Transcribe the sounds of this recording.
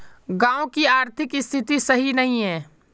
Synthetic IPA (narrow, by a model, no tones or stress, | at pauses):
ɡãːõkiaːɾt̪ʰɪkɪst̪ʰɪt̪isɐɦinɐɦĩɦɛ̃ː